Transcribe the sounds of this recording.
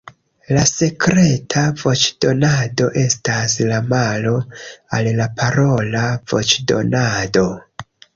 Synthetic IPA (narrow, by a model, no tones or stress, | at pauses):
lase̞kɾe̞tʰavo̞t͡ʃd̥o̞nado̞ʔe̞staslamalo̞allapʰaɾo̞lavo̞̰t͡ʃdo̞̰nado̞